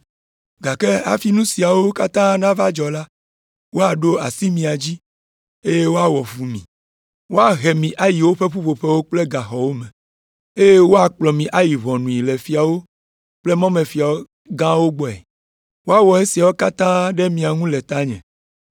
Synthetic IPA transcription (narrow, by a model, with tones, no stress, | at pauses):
ɡa˨ke˦a̰˨fi˦nũ˦si˨a˨wo˦ka˦t̪ã˦nã˦va˦d͡ʒɔ˨la˦ | wo˦a˨ɖo˦a˨si˦mĩ˨a˨d͡ʑi˦ | e˦je˦wo˦a˨wɔ˨fu˨mĩ˨ | wo˦a˨ɦe˨mĩ˨ʔa˦ji˨wo˦ɸe˦ɸu˦βo˨ɸe˦wo˦k͡ple˦ɡa˨xɔ˨wo˦mẽ˨ | e˦je˦wo˦a˨k͡plɔ˨mĩ˨ʔa˦ji˨βɔ̃˨nũ˨i˨le˨fi˨a˨wo˦ | k͡ple˦mɔ̃˦me˨fi˨a˨o˦ | ɡã˦wo˦ɡ͡bɔ˨ɛ̰˨ | wo˦a˦wɔ˨e˦si˨a˨wo˦ka˦t̪ã˦ɖe˦mĩ˨a˨ŋũ˦le˨t̪a˦ɲɛ̰̃˨